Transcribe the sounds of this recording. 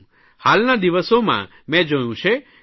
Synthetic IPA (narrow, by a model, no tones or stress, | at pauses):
halnad̪iʋəsomã̰ | mɛ̃d͡ʒəjũt͡ʃʰe